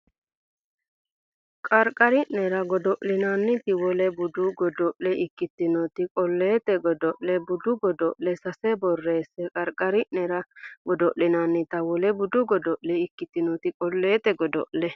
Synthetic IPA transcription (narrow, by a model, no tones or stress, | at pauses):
kʼɐɾkʼɐɾɪʔnɛɾɐɡɔd̪ɔʔlɪnanːɪt̪ɪwɔlɛbʊd̪ʊɡɔd̪ɔʔlɛɪkːɪt̪ːɪnɔt̪ɪkʼɔlːeːt̪ɛɡɔd̪ɔʔlɛbʊd̪ʊɡɔd̪ɔʔlɛsɐsɛbɔrːe̞ːsɛkʼɐɾkʼɐɾɪʔnɛɾɐɡɔd̪ɔʔlɪnanːɪt̪ɐwɔlɛbʊd̪ʊɡɔd̪ɔʔlɛɪkːɪt̪ːɪnɔt̪ɪkʼɔlːe̞ːt̪ɛɡɔd̪ɔ̰ʔlɛ